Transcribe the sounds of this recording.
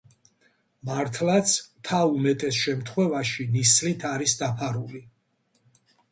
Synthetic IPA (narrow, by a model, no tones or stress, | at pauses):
maɾt̪ʰlˠat̪sʰt̪ʰaumɛt̪ʼɛsʃɛmt̪ʰχwɛvaʃinislit̪ʰaɾisd̪apʰaɾuli